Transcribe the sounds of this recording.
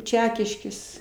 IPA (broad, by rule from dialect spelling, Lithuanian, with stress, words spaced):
ˈt͡ʃʲæːkʲɪʃʲkʲeːs